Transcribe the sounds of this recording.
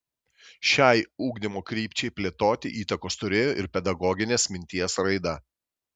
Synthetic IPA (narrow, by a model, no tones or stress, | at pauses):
ʃʲɛˑɪuːɡd̪ʲɪmoːkɾʲiːpʲt͡ʃʲɛɪpʲlʲeːt̪oːt̪ʲɪʔiːt̪ɐkoːst̪ʊɾʲeːjoːʔɪɾpʲɛd̪ɐɡɔɡʲɪnʲeːsmʲɪnʲt̪ʲiɛsɾɐɪd̪ɐ